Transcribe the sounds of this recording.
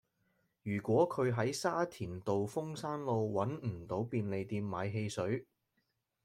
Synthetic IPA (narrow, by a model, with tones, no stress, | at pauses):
jyː˨˩kʷwɔː˨˥kʰɵ˨˧ɥɦɐ˨˥jsaː˥t̪ʰiː˨˩nt̪o˨wfʊ˥ŋsaː˥nlo˧wwɐ˨˥nm̩˨˩t̪o˨˥wpiː˧nle˨˧jt̪iː˧mːa̰ː˨˧jɦe˧jsɵ˨˥ɥ